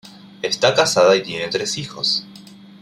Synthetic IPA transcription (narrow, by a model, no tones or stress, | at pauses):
est̪akasaðait̪je̞ne̞t̪ɾe̞sixo̞̰s